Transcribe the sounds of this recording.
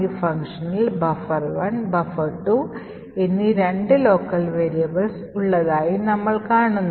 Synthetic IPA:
fɐŋkʂɐnilbɐfɐrʋɐɳbɐfɐrʈːu | enːiɾe̞ɳɖɨlo̞ːkːɐlʋeːɾijɐbɐɭs | uɭːɐðaːjinɐmːɐɭkaːɳunː

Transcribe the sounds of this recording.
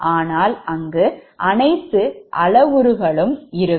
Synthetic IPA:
ʔaːnaːlɐŋɡɯʔɐnɐɪt̪ːɯʔɐ̰ɭɐʋɯɾɯɣɐɭɯmɪɾɯ

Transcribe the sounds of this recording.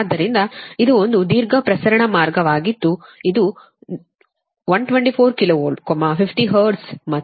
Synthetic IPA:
d̪ːɐɾind̪ɐid̪uond̪ud̪iːɾɡɐpɾɐsɐɾɐɳɐmaːɾɡɐʋaːɡit̪ːuid̪u | ʋɐɳʈʋeɳʈipʰoːɾkiloːoːlkɔmɐfipʰʈiɦɐːɾɖsmɐ

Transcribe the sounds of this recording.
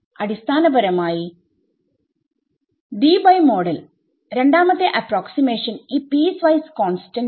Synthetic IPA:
ɐɽist̪ʰaːnɐbɐɾɐmaːji | ɖiːbɐjmo̞ːɽɐl | ɾe̞ɳɖaːmɐt̪ːeʔɐproːksime̞ːʂɐnipiːsʋɐjskoːnstɐn

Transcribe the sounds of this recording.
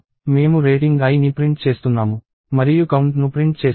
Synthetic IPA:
me̞ːmuɾeːʈiŋɡaːjinipɾiɳʈ̚t͡ʃe̞ːst̪unːaːmu | mɐɾijukɐwɳʈnupɾiɳʈ̚t͡ʃe̞ː

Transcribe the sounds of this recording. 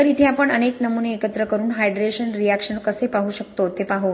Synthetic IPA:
əɾit̪ʰeapəɳəneknəmuneːkət̪ɾəkəɾuːnɦajɖɾeənɾijækɕənkəsepaɦuɕək̚t̪ot̪epaɦuːn

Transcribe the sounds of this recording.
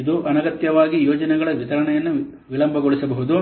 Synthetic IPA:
d̪uʔɐnɐɡɐt̪jɐʋaːɡijoːd͡ʒɐnɛɡɐɭɐʋit̪ɐɾɐɳɛjɐnːu | ʋiɭɐmbʱɐɡoɭisɐbɐɦud̪u

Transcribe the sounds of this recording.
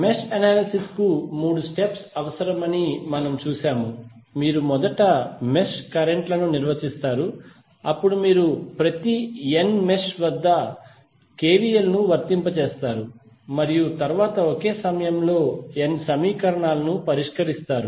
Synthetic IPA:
meʂɐnaːlisiskumuːɽusʈepsɐʋɐsɐɾɐmɐnimɐnɐmt͡ʃuːsaːmumiːɾumɔd̪ɐʈɐmeskɐɾeɳʈlɐnuniɾʋɐt͡ʃist̪aːɾu | ɐpːuɽumiːɾupɾɐt̪ienmesʋɐd̪ːɐ | keːʋijelnuʋɐɾt̪impɐt͡ʃeːst̪aːɾu | mɐɾijut̪ɐɾʋaːt̪ɐoke̞ːsɐmɐjɐmlo̞ːensɐmiːkɐɾɐɳaːlɐnupɐɾiʂkɐɾist̪aːɾu

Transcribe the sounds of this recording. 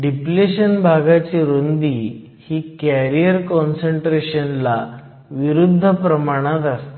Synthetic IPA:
ɖipleɕənbʱaɡat͡ɕiɾond̪iː | hiːkɛɾijəɾkɔnsəɳʈɾeɕənla | ʋiɾud̪ʱːəpɾəmaɽ̃at̪ast̪

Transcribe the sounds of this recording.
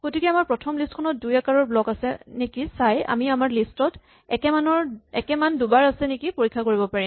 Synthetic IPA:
ɡ̥otikɛamaɹpɹɔtʰɔmlistkʰɔnɔt̚dujakaɹɔɹblɔkasɛ̰nekisaja̰miamaɹlistɔt | ɛkɛmanɔɹɛkɛmandubaɹasɛnekipoɹikʰːakoɹibɔpaɹi

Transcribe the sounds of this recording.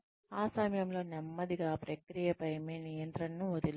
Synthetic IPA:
aːsɐmjɐmlo̞ːnɛmːɐd̪iɡaːpɾɐkɾijɐpɐjmiːnijɐnt̪ɾɐnːuod̪il

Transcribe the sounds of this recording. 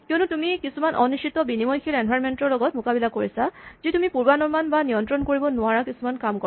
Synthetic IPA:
kiɔnutumikisumanʔɔniʃt͡ʃit̪ɔbinimɔjxʰilenbʱaɹmentɔɹlɔɡɔt̚mʊkabilakoɹisazitumipuɹbanɔɹmanbanijɔntɹɔnkoɹibɔnʊaɹakisumankamkɔ

